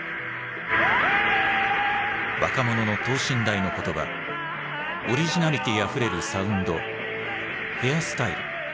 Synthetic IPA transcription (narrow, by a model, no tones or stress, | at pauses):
βa̰kamo̞no̞no̞t̪o̞ːɕĩnd̪aino̞ko̞t̪o̞ba̰ | oɾʲiʑinaɾʲit̪ʲiɡaɸɯ̟ɾe̞ɾɯ̟saɯ̟̃nd̪o̞̰ | he̞jasɨ̥t̪aiɾɯ̟